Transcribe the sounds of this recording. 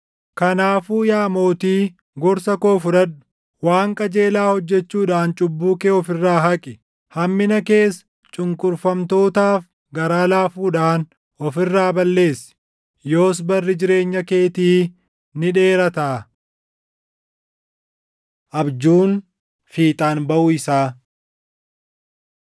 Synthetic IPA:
kɐnaːfuːjaːmo̞ːt̪iː | ɡɔɾsɐko̞ːfʊɾɐɗʊ̥ | waːŋkʼɐd͡ʒe̞ːlaːhɔd͡ʒːɛt͡ʃːuːᶑaːnt͡ʃʼʊbːuːkeːɔfɪrːaːɦɐkʼɪ | hɐmːɪnɐke̞ːs | t͡ʃʼʊŋkʼʊɾfɐmt̪o̞ːt̪aːf | ɡɐɾaːlaːfuːᶑaːn | ɔfɪrːaːbɐlːe̞ːsːɪ̥ | jo̞ːs̬bɐrːɪd͡ʒɪɾe̞ːɲːɐke̞ːt̪iː | nɪᶑe̞ːɾɐt̪ɐː | ʔɐbd͡ʒuːn | fiːt̪ʼaːnbɐʔʊːɪsaː

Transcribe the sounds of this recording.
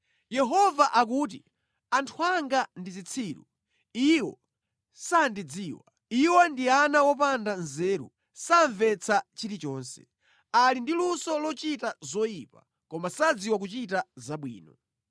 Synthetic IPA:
jɛɦɔvaʔak̬uːt̬i | antʰuaŋɡandizit͡sʰiːɾṵ | iwɔ̰ | sandid͡ziːwa | iwɔndianawɔp̬andanzɛɾṵ | saɱvɛt͡sʰat͡ʃiɾit͡ʃɔːnsɛ̥̰ | alindilusɔlɔt͡ʃitazɔjipa | kɔmasad͡ziwak̬ut͡ʃitazaɓwḭːnɔ

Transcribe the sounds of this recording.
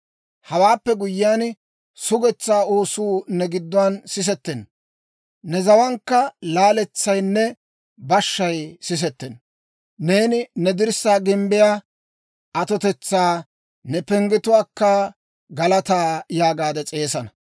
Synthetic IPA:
hɐwaːpːɛɡʊjːɪjaːn | sʊɡɛt͡sːaːoːsuːnɛɡɪd̪ːwɐnsɪs̬ɛt̪ːɛn | nɛzɐwɐŋkːɐlaːlɛt͡sːɐjnːɛ | bɐʃːɐjsɪs̬ɛt̪ːɛn | ne̞ːnɪnɛd̪ɪɾsaːɡɪmbɪjaː | ʔɐt̪ɔt̪ɛt͡sːaː | nɛpɛŋɡɪt̪ʊwaːkːɐ | ɡɐlɐt̪aːjaːɡaːd̪ɛt͡sʼe̞ːsɐnɐ

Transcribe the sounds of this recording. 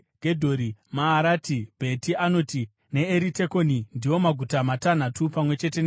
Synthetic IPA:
ɡʱe̞dʱo̞ɾimaːɾaːtibʱe̞tiano̞ti | ne̞eɾite̞ko̞nindiwo̞maɡʱutamatan̤atupamwe̞t͡ʃe̞te̞n

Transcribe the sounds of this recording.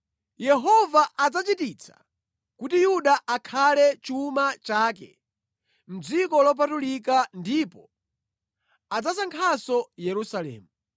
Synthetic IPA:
jɛɦɔvaʔad͡zat͡ʃitit͡sʰḁ̰ | kutijuɗaʔakʰalɛt͡ʃumat͡ʃaːkɛ̰ | m̩d͡zikɔlɔp̬atulikandipɔ | ad͡zasaŋkʰasɔjɛɾusalɛ̰ːmu

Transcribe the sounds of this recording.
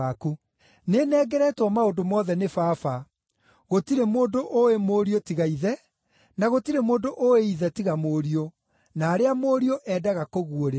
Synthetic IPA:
aku | nenɛːɡɛɾɛtwɔmaondomɔːðɛnefaːfa | ɣotiɾemoːndoʔoemoːɾiotiɣaiðɛ | naɣotiɾemoːndoʔoeiðɛtiɣamoːɾio | naːɾeamoːɾioʔɛːdaɣakoɣuoɾe

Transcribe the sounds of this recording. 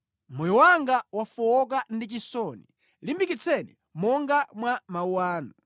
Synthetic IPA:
mɔjɔwaŋɡawafɔɔk̬andit͡ʃisɔni | limbikit͡sʰɛnḭ | mɔŋɡamwamauwaːnu

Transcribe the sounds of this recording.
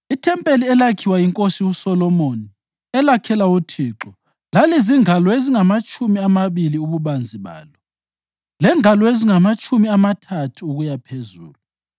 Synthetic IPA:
itʰɛmpʼeliɛlakʰiwaiŋkʼosiusɔlɔmoni | ɛlakʰɛlautʰiːǁɔ | laliziŋalɔeziŋamat͡ʃʼumiamaβiliuβuβand͡zʱiβa̰ːlɔ | lɛŋalɔeziŋamat͡ʃʼumiamatʰatʰuːɣujapʰezuːlu

